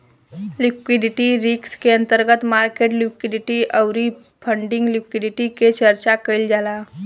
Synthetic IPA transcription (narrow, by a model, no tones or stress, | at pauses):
lɪkwɪɖɪʈiɾikskeə̃nt̪əɾɡət̪maːɾkeːʈlɪkɪɖɪʈiʔəwɾi | pʰə̃ɳɖɪ̃ŋɡlɪkwɪɖɪʈiket͡ʃəɾt͡ʃakəɪld͡ʒaːlaː